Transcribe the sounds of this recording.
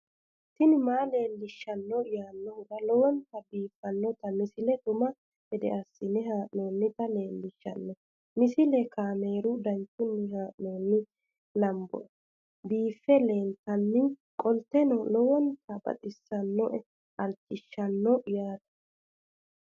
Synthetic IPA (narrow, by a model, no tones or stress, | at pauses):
t̪ːɪnɪmaːle̞ːlːɪʃːɐnːɔjaːnːɔhʊɡɐlɔwɔnt̪ɐbiːfːɐnːɔt̪ɐmɪsɪlɛt̪ʊmɐ | hɛd̪ɛ̰ʔɐsːɪnɪɦaːʔnoːnːɪt̪ɐle̞ːlːɪʃːɐ̰nːɔ | mɪsɪlɛkaːmeːɾʊd̪ɐnt͡ʃːʊnːɪɦaːʔnoːnːɪ | lɐmbɔ̰ | biːfːɛleːnt̪ɐnːɪkʼɔlt̪ːɛnɔlɔwɔnt̪ɐbɐ̰t̪ʼɪsːɐnːɔʔɛ | ɐlt͡ʃːɪʃːɐnːɔʔjaːt̪ɐ̥